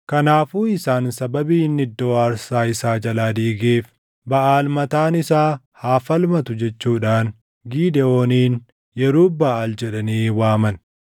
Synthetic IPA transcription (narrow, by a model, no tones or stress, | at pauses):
kɐnaːfuːɪsaːnsɐbɐbiːnːɪd̪ːo̞ːɐɾsaːɪsaːd͡ʒɐlaːd̪iːɡeːf | bɐʔaːlmɐt̪aːnɪsaː | haːfɐlmɐt̪ʊd͡ʒɛt͡ʃːuːᶑaːn | ɡiːd̪ɛo̞ːniːn | jɛɾuːbɐʔald͡ʒɛᶑɐniːwaːmɐn